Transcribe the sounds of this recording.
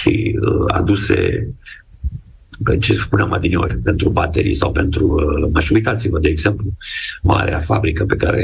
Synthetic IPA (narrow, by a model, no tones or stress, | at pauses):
ʃiəa̰d̪use̞̰ | pet͡ʃespuneamad̪inio̞̰ɾʲpe̞nt̪ɾubat̪eɾḭsawpe̞nt̪ɾumaʃuuijt̪at̪sivəd̪eːɡz̥e̞mpluma̰ɾeafabɾikəpe̞kaɾḛ